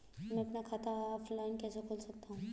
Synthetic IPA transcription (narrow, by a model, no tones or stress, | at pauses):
mɛ̃ɐpnakʰat̪ʰaɔːfʰlaːɪnkɛːsekʰoːlsɐk̚t̪aɦũː